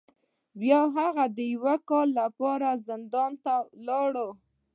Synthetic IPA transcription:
wjɑɦaɣad̪əjwakɑlːapɑɾazɪnd̪ɑnt̪alɑɽə

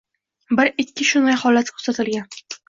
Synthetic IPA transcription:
bɪɾɪːɪʃʊnd̪ajhɒlat̪kʰɵ̥ɾsat̪ɪlɡʲan

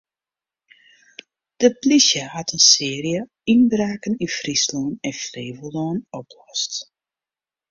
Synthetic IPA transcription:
d̥əplisjəhatʰənsɪːrijə | inbraːkənifrisloːnɛnfleːvəloːnɔpʰlɔst

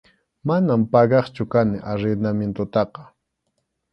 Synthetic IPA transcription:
manampɑɢɑχt͡ʃʊkanɪʔaɾɪnament̪ʊt̪ɑqɑ̥

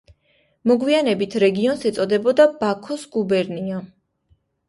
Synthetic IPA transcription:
mɔɡwianɛbit̪ʰɾɛɡiɔnsɛt̪sʼɔd̪ɛbɔd̪abakʰɔsɡ̥ubɛɾnia

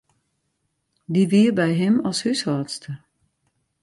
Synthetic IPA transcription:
diʋiːərbɛjɦɪmɑlˠshyshaːtstʰə

